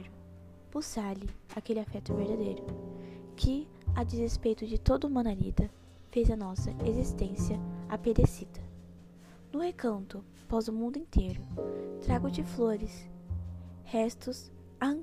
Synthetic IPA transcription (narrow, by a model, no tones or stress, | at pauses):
ɾʊ | pusalɪakelɪafɛt̪ʊveɾd̪ad̪ejɾʊkʰɪ | ad͡ʒɪzespejt̪ʊd͡ʒɪt̪od̪ɐumɐ̃naɾḭd̪ɐ | fejzɐnɔsɐezist̪ẽsiɐa̰ped̪esid̪ɐ | nʊhekɐ̃nt̪ʊ | pɔzʊmũnd̪ʊĩnt̪ʰejɾʊt̪ɾaɡʊt͡ʃɪfloɾɪs | hɛst̪ʊs | ã